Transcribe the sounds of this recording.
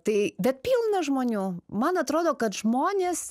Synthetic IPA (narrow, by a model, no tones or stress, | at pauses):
t̪ɐɪbʲɛt̪̚pʲiːlˠnɐʒmoːnʲuːmɐnɐt̪ɾoːd̪oːkɐt̪ʒmoːnʲeːs